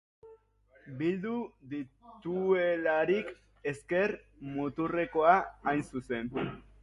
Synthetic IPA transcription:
bild̪uðit̪uelaɾik | e̞ske̞ɾ | mut̪ure̞ko̞aːjnsuse̞n

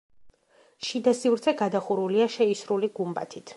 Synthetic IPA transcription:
ʃid̪asivɾt̪sʰɛɡad̪aχuɾuliaʃɛisɾuliɡumba̰t̪ʰit̪ʰ

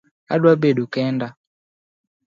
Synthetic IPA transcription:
a̰ɗwabɛɗukɛnda

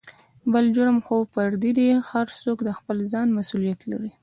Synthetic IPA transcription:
bəld͡ʒʊɾəmxofaɾd̪id̪ihaɾsokd̪əxpəlzɑnmasulijat̪la̰ɾi

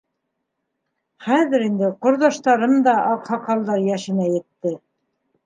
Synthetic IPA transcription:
χæðɘ̆ɾind̪ɘqŏɾðɑʃt̪ɑɾɤmd̪ɑʔɑqhɑqɑlˠd̪ɑɾjæʃɘ̆næjɘ̆t̪ːɘ

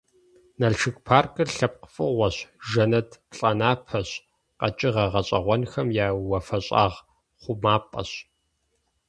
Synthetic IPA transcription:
nɐɮʃɨkʷpʰaːrkʼɨrɬɐp̚qfʼɨʁʷɔɕʒɐnɐdɬʼɐnaːpʰɐɕ | qɐt͡ʃʼɪʁɐʁɐɕʼɐʁʷɔnxɐmjaːwɐfɐɕʼa̰ːʁ | χʷʊmaːpʼɐ̰ɕ

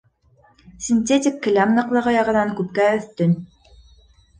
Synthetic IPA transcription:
sʲinʲt̪ʲetʲɪkːɘ̆lʲamnˠɤ̆qlˠɤ̆ʁɤjɑʁɤ̆nɑŋkʉp̚kæɵ̆θt̪ɵn

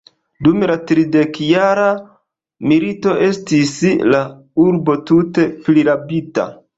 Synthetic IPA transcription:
dumlatɾide̞kjaɾa | milito̞ʔe̞stisla | uɾbo̞tute̞pliɾapita̰

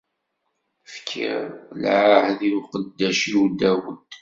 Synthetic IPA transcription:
fkʰːḭɾlʕahðiwqəd̪ːæʃiwd̪æwəd̪̥

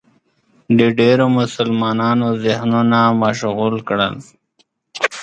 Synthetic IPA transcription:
ɖiɖeːɾomʊsəlmɑːnaːnozɪhnonamaʃɣuːlkɽə̰l

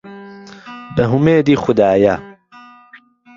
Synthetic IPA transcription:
bɐɦumeːd̪iːxʊd̪aːjaː

